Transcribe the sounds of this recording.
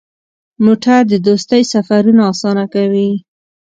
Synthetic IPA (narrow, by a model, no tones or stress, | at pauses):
moʈʰaɾd̪əd̪ost̪əjsafaɾunoɑsɑnakawi